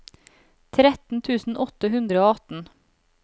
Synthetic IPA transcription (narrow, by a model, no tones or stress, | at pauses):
t̪ʰɾɛt̪n̩t̪ʰʉːsn̩ʔɔt̪əɦʉnd̪ɾəoːɑt̪n̩